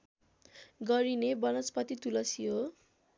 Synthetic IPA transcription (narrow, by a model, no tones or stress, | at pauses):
ɡʌɾinebʌnot͡spʌt̪it̪ulʌsiɦo